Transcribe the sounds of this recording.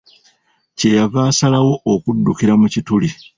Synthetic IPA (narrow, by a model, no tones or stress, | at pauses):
ce̞javaːsalawo̞ʔokudːukiɾamucituli